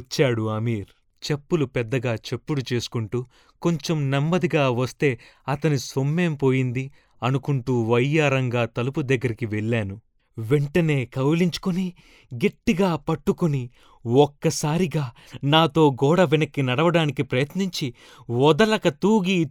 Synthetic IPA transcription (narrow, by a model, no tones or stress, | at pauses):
t͡ʃːaːɽuɐmiːɾ | t͡ʃe̞pːulupɛd̪ːɐɡaːt͡ʃe̞pːuɽut͡ʃe̞ːsu̥kuɳʈuː | ko̞ɲt͡ʃomnemːɐd̪iɡaːʋɐst̪e̞ːɐt̪ɐnisomːe̞ːmpo̞ːjind̪i | ɐnukuɳʈuːʋɐjːaːɾɐŋɡaːt̪ɐlupud̪ɐɡːɐɾikiʋeɭːaːnu | ʋeɳʈɐne̞ːkɐwliɲt͡ʃu̥kuni | ɡe̞ʈːiɡaːpɐʈːukuni | ɔkːɐsaːɾiɡaː | naːt̪o̞ːɡɔːɽɐʋinɐkːinɐɽɐʋɐɽaːnikipɾɐjɐt̪niɲt͡ʃi | ʋɔd̪ɐlɐkɐt̪uːɡi